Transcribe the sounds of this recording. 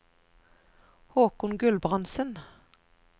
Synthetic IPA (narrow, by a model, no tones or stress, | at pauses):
hoːkʊnɡʉlbʁɑnsən